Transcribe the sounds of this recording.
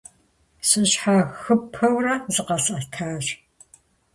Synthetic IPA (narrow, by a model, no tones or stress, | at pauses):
sʼɨɕħaxɨpʰɐwrɐzɨqɐsʼɐtʰaːɕ